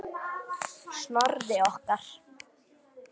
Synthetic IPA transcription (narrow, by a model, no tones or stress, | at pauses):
snɔɾðɪɔhkaɾ̥